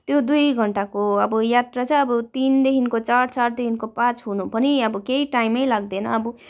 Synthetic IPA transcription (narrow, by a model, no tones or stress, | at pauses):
t̪jod̪ujɡʱʌɳʈakoʌbʌjat̪rat͡sʌ̃ʌbʌt̪ind̪ekʰinkot͡sart͡sard̪ekʰinkopãt͡sɦunupʌniʌbʌkeiʈajmʌjlaɡ̚d̪enʌ̰ːbʌ